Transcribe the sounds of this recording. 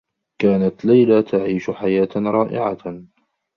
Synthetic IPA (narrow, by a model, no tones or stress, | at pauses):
kaːnat̪lajlat̪ʰaʕiːʃʊħajaːt̪ɾˤɑːʔɪ̰ʕa̰